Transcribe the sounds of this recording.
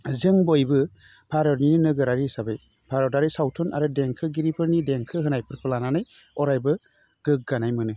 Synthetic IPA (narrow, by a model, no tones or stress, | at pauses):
zɯŋbɔjbɯ | pʰaɾɔɾnininɯɡɯɾaɾisabɯj | pʰaɾɔɾdaɾisawtʰɔnʔa̰ɾɯdeŋkʰɯɡiɾipʰɯɾnideŋkʰɯɦɯnajpʰɯɾkʰɯlananaj | ɔɾajbɯ | ɡ̥ɯɡ̚ɡanajmɯnɯ